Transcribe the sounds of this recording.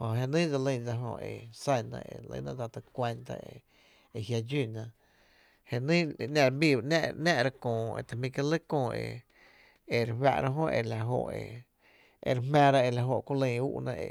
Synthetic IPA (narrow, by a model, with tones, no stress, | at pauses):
ho˨ɦe˧nĩː˦d͡za˧lə̃˧d͡za˧ɦõ̰˧˨ʔe˨sa˧˨nã̰˧ʔe˨lə̰̃˧˦nã˦ʔd͡za˧t̪ɨ˧kʷe˧nt̪a̰˧e˨ | e˨ɦja˧d͡ʒi˧˨nã˧ | he˧nĩ˦˧nã˧˨ɾa˧bi˧˨bʔnã˦ʔnã˦ʔɾa˧kõː˨ḛ˧˨t̪a˨mĩ˧ka˦˧lə˦kõː˧e˧ | e˨ɾewa̰˧˨ʔɾa˦ɦõ˦ʔe˧la˨ɦo˧˨ʔe˧ | e˨ɾmæ̃ː˧ɾa˦˧e˧˨la˧˨ɦo˧˨ʔku˦lə̃˧u˦ʔnã̰˧ʔe˨